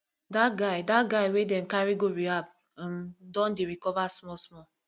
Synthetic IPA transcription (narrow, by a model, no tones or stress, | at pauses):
daɡadatɡaiwedɛ̃n̩kaɾiɡoɾiab | mdɔ̃ndeɾikɔvasmɔsmɔ